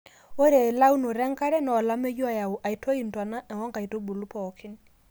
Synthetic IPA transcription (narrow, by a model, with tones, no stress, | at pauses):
o˦ɾe˨la˦wno˨ɾɛ˦ŋka˦ɾɛ˦nɔː˨la˦me˦ju˦a˨ja˨wu˨ʔa˨i˨˦tʰo˦i˨ntwa˨na˦ʔɛ˨ŋɔ˦ŋka˨i˨to˦bu˨lu˦pɔ˨kʰɪ˦n